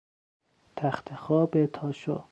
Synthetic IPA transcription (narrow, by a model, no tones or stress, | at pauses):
t̪ʰæxt̪ʰexɒːbet̪ʰɒːʃo̰